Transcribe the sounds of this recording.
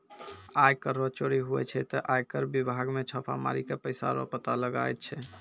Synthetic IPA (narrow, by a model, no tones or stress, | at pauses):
ajkəɾːɔt͡ʃoɽiɦuɛ̰t͡ʃʰɛt̪ɔʔajkəɾbibʱaɡmet͡ʃʰəpʰa̰ma̰ɾikepəjsa̰ɾɔ̰pət̪aləɡa̰jt̪̚t͡ʃʰɛ